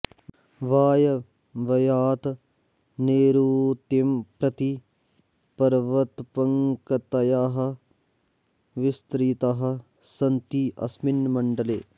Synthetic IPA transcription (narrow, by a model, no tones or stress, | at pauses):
ʋaːjɐ | ʋɐjaːt̪ | neːɾuːt̪impɾɐt̪i | pɐɾʋɐt̪pɐŋkɐt̪ɐjaːɦɐ̆ | ʋɪst̪ɾiːt̪aɦɐ̆ | sɐnt̪iʔɐ̰sminmɐɳɖɐleː